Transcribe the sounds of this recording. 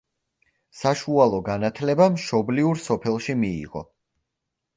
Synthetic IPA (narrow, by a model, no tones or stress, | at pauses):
saʃualˠɔɡanat̪ʰlɛbamʃɔbliuɾsɔpʰɛlˠʃimḭːʁɔ̰